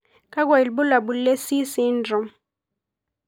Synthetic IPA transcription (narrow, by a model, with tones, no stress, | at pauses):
kʼa˦k̬wa˨i˨lbu˦la˨ɓu˨le˦si˦si˦ndɔ˨m